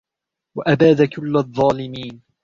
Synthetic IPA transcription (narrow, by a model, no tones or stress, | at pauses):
waʔabaːðakʊlːaðˤːɑːlɪmiːn